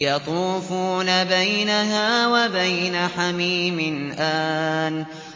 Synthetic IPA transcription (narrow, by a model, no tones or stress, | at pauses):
jɑt̪ˤuːfuːnabajnaɦaːwabajnaħamiːmɪnʔaːn